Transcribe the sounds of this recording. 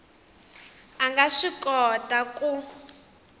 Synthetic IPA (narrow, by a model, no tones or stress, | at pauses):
aŋɡaʂikɔtakʼu